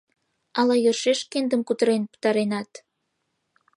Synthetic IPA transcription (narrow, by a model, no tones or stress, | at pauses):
ɑlɑjørʃeʃkend̪əmkut̪əɾenpə̥t̪ɑɾenɑt̪